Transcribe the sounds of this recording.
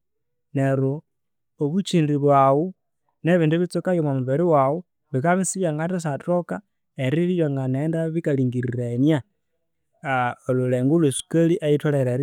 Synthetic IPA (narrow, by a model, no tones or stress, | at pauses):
neɾoː | βut͡ʃindiβwawu | neβinduβit͡sokajomamuβeɾiwawu | βikaβisijaŋɡatas̬atoka | eɾilijoŋɡanendaβikaliːŋɡiɾiɾenja | oluleːŋɡulwesu̥kəliʔajitʰoleɾeɾi